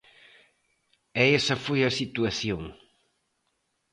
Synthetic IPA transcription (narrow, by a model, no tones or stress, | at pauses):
ɛɛsɐfojɐsit̪uɐθjoŋ